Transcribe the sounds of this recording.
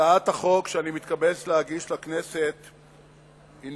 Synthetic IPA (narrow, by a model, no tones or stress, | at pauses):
aat̪aχo̞kʃeanimit̪kabet͡slehaɡiʃlakne̞set̪ | in